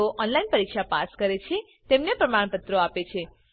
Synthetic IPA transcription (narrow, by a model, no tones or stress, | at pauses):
oʔɔnlainpəɾikʃapaskəɾet͡ʃʰe | t̪emnepɾəmaɳ̃pət̪ɾoapet͡ʃʰe